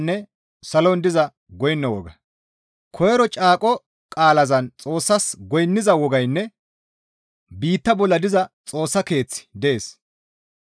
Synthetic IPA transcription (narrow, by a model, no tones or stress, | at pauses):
nːɛ | sɐlɔnd̪ɪzɐ | ɡɔjnːɐwɔ̰ɡɐ | kʰɔjɛɾɔt͡ʃʼaːkʼɔ | kʼaːlɐzɐnt͡sʼo̞ːsːɐsɡɔjnːɪzɐwɔɡɐjnːɛ | biːt̪ːɐbɔlːɐd̪ɪzɐt͡sʼo̞ːsːɐke̞ːt͡sːɪ̥d̪ɛeːs